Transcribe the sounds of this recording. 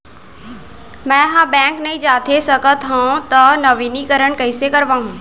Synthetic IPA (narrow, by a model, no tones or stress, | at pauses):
mɛ̃ɦãbɛ̃ːŋknɐĩd͡ʒaːt̪ʰesɐɡət̪ɦãũt̪ɐnɐʋinikɐɾəɽ̃kɐɪsekɐɾʋãːɦũ